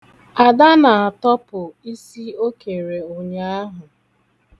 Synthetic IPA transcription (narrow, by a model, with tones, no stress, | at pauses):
a˨da˦na˨a˨tɔ˦pʊ˨i˦si˦o˦ke˨ɾe˨o˨ɲe˦a˦ɦʊ˨